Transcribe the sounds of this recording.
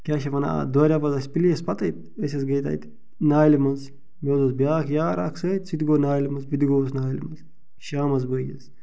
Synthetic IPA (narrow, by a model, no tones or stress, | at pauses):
kʲaʃɐpɐna̰d̪ɔɾʲapɐzɐsʲpilʲiɐspɐt̪ɐjt̪ | əsʲɐsɡɐjt̪a̰jt̪ | naːjlʲimɐz | mʲɛwzɐzbjaːkʰjaːɾa̰ːksəːt̪ʲsit̪ɡoːnaːjlʲimɐzpid̪ɡoːsnaːjlʲimɐz | ʃaːmɐzbəjɡʲɐz